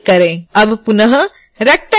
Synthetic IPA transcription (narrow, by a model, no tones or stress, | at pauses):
kɐɾeɐbʱpunɐɦɐ | ɾɐk̚ʈɐ